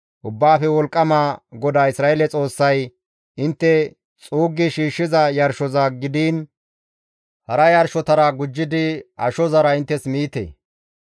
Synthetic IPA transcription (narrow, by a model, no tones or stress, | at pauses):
ʔʊbːaːfɛwɔlkʼːɐmaːɡɔd̪aːɪsɾaːelɛt͡sʼo̞ːsːɐj | ɪnt̪ːɛ | t͡sʼuːɡːɪʃiːʃːɪzɐjɐɾʃɔzɐɡɪd̪iːn | hɐɾɐjɐɾʃɔt̪ɐɾɐɡʊd͡ʒːɪd̪ɪɐ̰ʃɔzɐɾɐɪnt̪ːɛsmiːt̪ḛː